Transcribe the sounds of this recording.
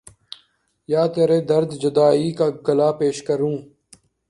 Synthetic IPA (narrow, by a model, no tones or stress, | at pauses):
jaːt̪eːɾeːd̪əɾd̪d͡ʒʊd̪aːiːkaːɡəlaːpeːʃkəɾũː